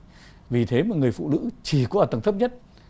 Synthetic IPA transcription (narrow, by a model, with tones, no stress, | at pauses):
vi˨˩t̪ʰe˨˦maː˨˩ŋɨ˨˩əjfṵ˧˨nɨ̰˧˥t͡ɕi˨˩kɔ˨˦ʔaː˨˩t̪ə˧˩ŋt̪ʰə˦˥p̚ɲə˦˥t̚